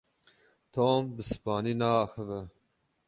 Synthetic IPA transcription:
t̪ʰoːmbɨsɨ̥pɑːniːnɑːxəvɛ

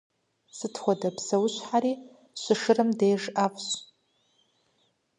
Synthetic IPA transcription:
sɨtʰχʷadabsɐwʊɕʷħaɾi | ʃʷɨʂɨɾɨmdejʐapʷʰʼɕ

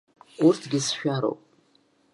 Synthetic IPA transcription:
urtʰɡʲɪsʃᶣaɾo̰wpʼ

